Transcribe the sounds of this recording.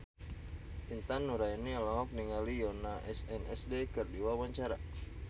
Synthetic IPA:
ʔint̪anːuɾainialɔŋɔk̚niŋalijɔnaʔɛsɛnɛsdekərdiwawaɲt͡ʃaɾa

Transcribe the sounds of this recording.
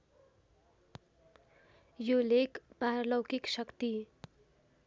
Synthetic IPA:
jolekbarlʌwkiksʌkt̪i

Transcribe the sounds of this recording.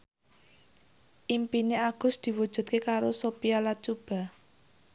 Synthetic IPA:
ʔimpineaɡ̥ʊ̤sd̪̥i̤wud̥ʒ̥ṳd̪̚kekaɾosopijalat͡ʃub̥a̤

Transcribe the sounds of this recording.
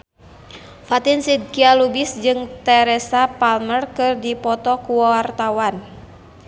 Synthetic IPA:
fat̪insid̪̚kialubisd͡ʒɨŋt̪ɛɾɛsapalmərkɨrdipɔt̪ɔkuwawart̪awan

